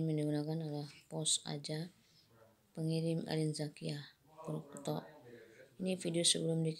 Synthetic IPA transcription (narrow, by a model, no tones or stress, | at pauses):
məniɡunakanalahpɔsa̰d͡ʒa | pəŋiɾɪma̰linzakiah | kuɾkut̪ɔ̰ʔinifidiosəbəlumdik